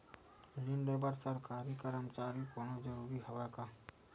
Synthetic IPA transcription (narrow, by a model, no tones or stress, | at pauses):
lɪnɖebəɾsəɾkaːɾikəɾəmt͡ʃaːɾikonod͡ʒɐɾuːɾiɦɐʋakaː